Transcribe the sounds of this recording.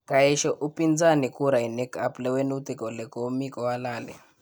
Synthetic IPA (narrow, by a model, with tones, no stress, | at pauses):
kaiʃɔʔu˦pind͡za˦nikuɾa˨i˨nɛ˦kʰaplɛ˦wɛ˦nu˦t̪i˨kɔ˨lɛ˨kɔ˨mikɔ˨walaːlɛ̰